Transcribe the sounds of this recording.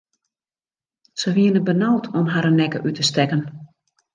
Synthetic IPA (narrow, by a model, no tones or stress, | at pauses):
səʋiənəbənawtʰɔmɦaɾənɛkə̰ʔytʰəstɛkən